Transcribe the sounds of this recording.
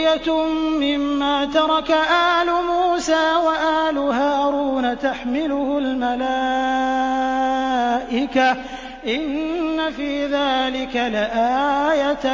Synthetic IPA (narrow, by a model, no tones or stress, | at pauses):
jaː | ɪmːaːt̪ɑɾˤɑkaʔaːlʊmuːsaːwaʔaːlʊhaːɾuːnat̪aħmɪlʊhʊlmala | ʔɪka | ʔɪnnːafiːðaːlɪkalɪʔaːjat̪